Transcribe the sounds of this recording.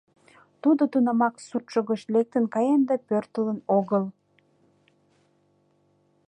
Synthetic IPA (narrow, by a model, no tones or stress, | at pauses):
t̪ud̪ot̪unɑmɑksut̪ʃəɣəʃlek̚t̪ənkɑjɑnd̪ɑpørt̪ələnoɣəl